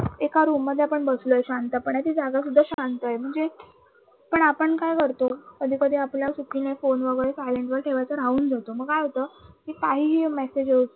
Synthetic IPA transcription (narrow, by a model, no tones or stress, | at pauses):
ekaɾumːəd̪ʱːeapəɳbəslojeɕant̪apəɳjat̪iːd͡zaɡas̬ud̪ʱːaɕant̪ajm̤əɳd͡ze | pəɳapəɳkajkəɾt̪okəd̪ʱiːkəd̪ʱiːapljasukinefonʋəɡəɭesajleɳʈʋəɾʈʰeʋajt͡səɾauːnd͡zat̪oməɡaɦot̪əːkiːkaɦiːɦiːmesed͡ʑeot͡s